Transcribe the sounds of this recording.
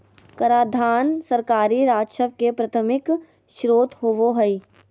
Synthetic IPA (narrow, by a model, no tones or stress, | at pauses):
kɐɾaːd̪ʱaːnsɐɾkaːɾiɾaːdʃəʋkepɾɐt̪ʰəmɪk | ʃɾoːt̪ɦoʋoɦəi